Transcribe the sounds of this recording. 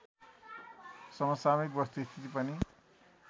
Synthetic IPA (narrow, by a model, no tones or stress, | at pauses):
sʌmʌsamikbʌst̪uist̪ʰit̪ipʌni